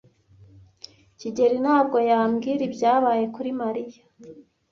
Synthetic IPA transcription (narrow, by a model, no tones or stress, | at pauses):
ciɟe̞ɾinaːb̚ɡo̞jaːmɡiːɾibɟaːβaːje̞kuɾimaɾija